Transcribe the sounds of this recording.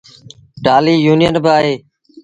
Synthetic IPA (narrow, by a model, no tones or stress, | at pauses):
ɖaːliːjuːnɪjənbɪaːɦeː